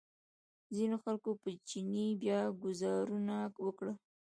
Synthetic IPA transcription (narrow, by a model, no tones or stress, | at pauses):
zinoxalkopət͡ʃinibjɑɡʊzɑɾunawəkɽə